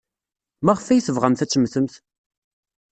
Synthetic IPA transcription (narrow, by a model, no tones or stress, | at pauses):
mæʁəfæjəθəvʁəmθæt͡sːəmːθəmθ